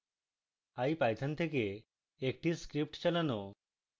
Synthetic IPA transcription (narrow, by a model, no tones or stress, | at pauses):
ajpajt̪ʰant̪ʰeke | ek̚ʈiskɾip̚ʈt͡ʃalano